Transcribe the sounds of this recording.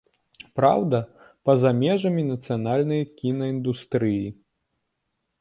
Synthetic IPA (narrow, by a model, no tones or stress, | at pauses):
pɾa̰wd̪ɐ | pɐzamʲɛʐɐmʲinɐt̪sɨjanalʲnɐjɐkʲinɐind̪ust̪ɾɨji